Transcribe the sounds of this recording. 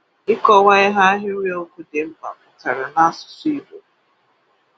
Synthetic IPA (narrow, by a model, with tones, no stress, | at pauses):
ɪ˦kɔ˦wa˦ɪ˦ɦa˦ɦɪ˦ɾi˦o˦kʷu˦de˨m̩˦ba̰˨mʊ˨ta˨ɾa˨na˦sʊ̥˨si˦bo˨˦